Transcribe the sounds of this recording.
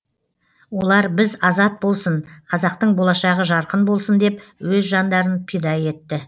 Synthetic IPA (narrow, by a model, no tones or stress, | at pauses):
wo̞lˠɑɾbɪzɑzɑt̪̚bo̞lˠsənqʰɑzɑq̚t̪əɴbo̞lˠɑʃɑʁəʒɑɾqənbo̞lˠsənd̪e̞pwɵzʒɑnd̪ɑɾənpʰijd̪ɑje̞t̪ːɪ